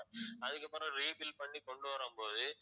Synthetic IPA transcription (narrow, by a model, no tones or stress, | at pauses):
ɐðɯkːɐpːɯɾɐ̃ɾiːbɪlpɐɳːikɔɳɖɯʋɐɾɯmpoːðɯ